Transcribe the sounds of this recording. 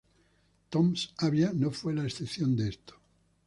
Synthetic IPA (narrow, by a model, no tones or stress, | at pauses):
t̪omsaβjanofwelaesθepθjond̪eest̪o̥